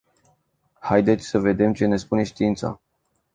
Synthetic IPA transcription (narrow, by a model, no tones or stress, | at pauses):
hajd̪e̞t̪sʲsəve̞d̪e̞mt͡ʃe̞ne̞spune̞ʃt̪iint̪sa̰